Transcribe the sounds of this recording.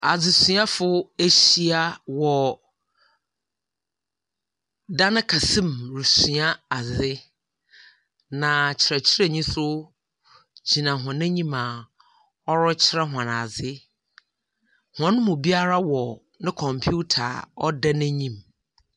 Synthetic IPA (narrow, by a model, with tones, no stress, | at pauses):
a˨d͡zɪ˨sũ˨a˦fʊ˦e˦ɕi˦a˦wɔ˨ | da˦nɪ̃˦kʰa˨sĩ˦mɾu˨su˨a˦a˨zɪ˦ | nã˨t͡ɕʰɪ˨ɾɛ˨t͡ɕʰɪ˦ɾɛ˦ɲĩ˦sʊ˦ | d͡ʑi˨nã˨ɦã˨nɪ̃˦ɲĩ˦mã˨ | ɔ˦ɾɔ˦t͡ɕʰɪ˦ɾɛ˦ɦã˨na˨zɪ˦ | hã˨nʊ̃˦mʊ̃˨bi˦a˦ɾa˦wɔ˨ | nɪ̃˦kʰɔ̃˨mpʰu˦tʰa̰˨ɔ˦dɛ˦nɪ̃˦ɲĩ˦m